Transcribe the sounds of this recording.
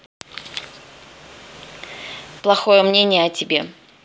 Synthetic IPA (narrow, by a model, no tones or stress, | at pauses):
plˠɐxo̞jəmnʲenʲɪjəɐtʲɪbʲe̞̰